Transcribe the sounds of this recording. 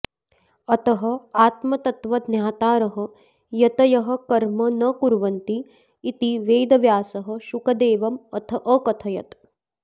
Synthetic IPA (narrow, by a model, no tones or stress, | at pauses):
ɐt̪ɐɦɐ̆aːt̪mɐt̪ɐt̪ʋɐd̪njaːt̪aːɾɐɦɐ | jɐt̪ɐjɐɦɐ̆kɐɾmɐnɐkuɾʋɐnt̪iː | t̪iʋeːd̪ɐʋjaːsɐɦɐ̆ʃukɐd̪eːʋɐmɐt̪ʰɐʔɐkɐt̪ʰɐjɐt̪